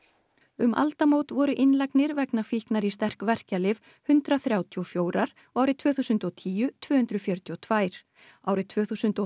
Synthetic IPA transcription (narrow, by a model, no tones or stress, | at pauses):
ʏmʔa̰lt̪amowt̪vɔɾʏʔɪnlajknɪɾvɛknafihknaɾist̪ɛr̥kvɛr̥calɪv | hʏnt̪ɾaθɾjaːwt̪ʰiɔfjoːwɾaɾ̥ | ɔɣaːwɾɪt̪ʰvœːθusʏnt̪ɔt̪ʰiːjʏt̪ʰvœːhʏnt̪ɾʏfjœɾ̥t̪ʰiɔt̪ʰvaːjɾ̥ | aːwɾɪt̪ʰv̥œːθusʏnt̪ɔ